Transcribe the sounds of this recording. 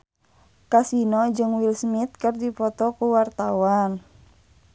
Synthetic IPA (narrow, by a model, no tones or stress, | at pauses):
kasinɔd͡ʒɨŋwilsmit̪̚kɨrdifɔt̪ɔkuwart̪awan